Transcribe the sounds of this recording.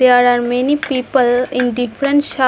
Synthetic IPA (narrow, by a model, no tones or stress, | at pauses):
aɾaɾmenipiːpəlĩnɖifɾənʃa